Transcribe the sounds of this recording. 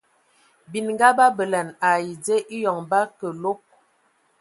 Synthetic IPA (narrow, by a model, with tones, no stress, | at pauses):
bi˨nŋ˦ɡa˦ba˦bə˨la˨na˨ji˨d͡ze˦ʔi˦jɔ˨ŋba˦kə˨lo˦k̚